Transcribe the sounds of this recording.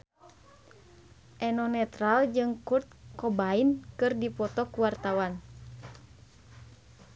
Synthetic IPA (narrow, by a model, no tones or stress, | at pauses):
ʔɛnɔnɛt̪ɾald͡ʒɨŋkurt̪̚kɔbainkɨrdipɔt̪ɔkuwart̪awan